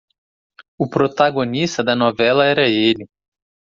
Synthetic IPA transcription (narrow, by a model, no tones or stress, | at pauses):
ʊpɾot̪aɡonist̪ɐd̪ɐnɔvɛlɐɛɾɐelɪ